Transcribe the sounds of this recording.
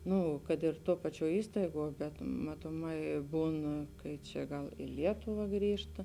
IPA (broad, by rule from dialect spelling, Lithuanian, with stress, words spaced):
ˈnʊ kɐt ɪr ˈtuɔ ˈpɑːˌt͡ʃʲuɔ ˈiːstɐɪˌɡuɔ bʲɛt mɐtoːˈmɐɪ ˈbuːn kɐɪ ˈt͡ʃʲɛ ˈɡɐlˠ ɪ ˈlʲiɛtʊʋɐ ˈɡrʲiːʃtɐ